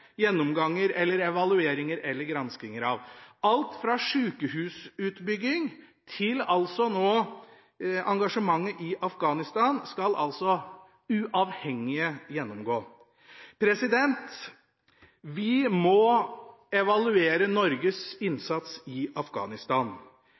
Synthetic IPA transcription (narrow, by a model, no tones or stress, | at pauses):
jɛnːɔmɡɑŋːəɾɛlːəɾɛʋɑlʉeːɾɪŋəɾɛlːəɾɡɾɑnskɪŋəɾɑʋɑlt̪fɾɑʂʉːkəhʉːsʉːt̪bʏɡɪŋt̪ʰɪlɑlsɔnoː | ɑŋɡɑʂəmɑŋːəʔɪʔɑfɡɑːnɪst̪ɑːnskɑlʔɑ̰lsɔ | ʉʔɑːʋhɛŋːɪəjɛnːɔmɡoː | pʰɾɛsɪd̪ɛnt̪ | ʋɪmɔ | ɛʋɑlʉeːɾənɔɾɡəsɪnsɑt̪sɪɑfɡɑ̰ːnɪst̪ɑːn